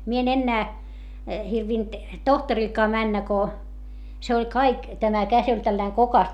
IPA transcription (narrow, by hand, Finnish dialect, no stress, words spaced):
mie en enːæː hirʋint tohtɑrilkɑː mænːæ ko se olʲ kɑik tæmæ kæs olʲ tælːæiŋ kokɑs